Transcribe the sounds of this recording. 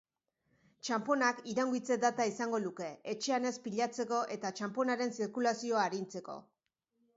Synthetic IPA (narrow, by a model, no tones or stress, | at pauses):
t͡ʃampo̞nakiɾaŋɡit͡se̞d̪at̪aisaŋɡo̞luke̞et͡ʃe̞ane̞spiʎat͡se̞ko̞ʔe̞t̪at͡ʃampo̞naɾe̞nsiɾkulasio̞aːɾint͡se̞ko̞̰